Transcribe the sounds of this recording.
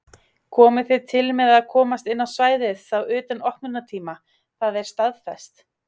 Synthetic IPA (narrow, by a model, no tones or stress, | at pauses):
kʰɔːmɪθʏt̪ʰɪlmɛðaðkʰɔːmast̪ɪnːawsvaːjðɪðθawʏːt̪anɔhknʏnat̪ʰiːma | θaðɛɾ̥st̪aðfɛst̪